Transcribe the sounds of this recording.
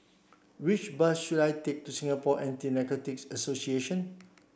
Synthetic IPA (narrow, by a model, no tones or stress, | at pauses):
wit͡ʃbəsʃudajtek̚tusĩŋapɔʔɛ̃ntinɛkɔtiksəsosieʃə̃n